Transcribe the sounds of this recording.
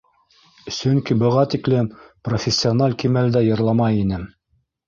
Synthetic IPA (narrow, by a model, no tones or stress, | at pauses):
sɵŋkibɤ̆ʁɑt̪iklɘmprofʲɪsʲːionɑlʲkimæld̪æjɤ̆ɾlˠɑmɑjinɘm